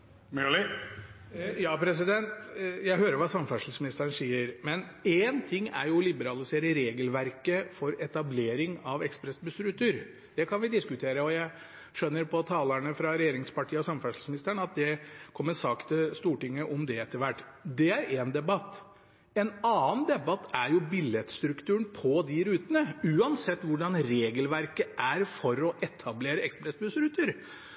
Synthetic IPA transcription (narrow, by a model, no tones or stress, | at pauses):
mɛlɪ | jɑːpʰɾɛsɪd̪ɛnt̪jæɪɦøːɾəɾʋɑːsɑmfæʂl̩smɪnɪst̪əənsiːəɾmɛnent̪ʰɪŋːæ̰ɾjʊɔlɪbəɾɑlɪseːɾəɾeːɡəlʋæɾkəfɔɾɛt̪ɑbleːɾɪŋɑʋɛkspɾɛsbʉsɾʉt̪ʰʉɾ | d̪̥ɛkʰɑnʋɪd̪ɪskʉt̪ʰeːɾəɔjæɪ | ʂœnːəɾpʰɔt̪ʰɑːləɳəfɾɑɾɛjeːɾɪŋspɑʈʰiːəɔsɑmfæʂl̩smnɪst̪əɳɑt̪̚d̪ɛkʰɔmːəsɑkt̪əst̪uːʈɪŋːəʔɔmd̪ɛɛt̪ʰːəʋæʈːd̪ɛæɾend̪ɛbɑt̪ː | ɛnɑːnd̪ɛbɑt̪ːæɾjʊbɪljɛt̪st̪ɾʉkt̪ʉːɳpʰɔd̪ɪɾʉːt̪ənəʉːɑnsɛt̪ːʋʊɖɑnɾeːɡəlʋæɾkəʔæɾfɔɾɔʔɛt̪ʰɑbleːɾəɛkspɾɛsbʉsɾʉːt̪əɾ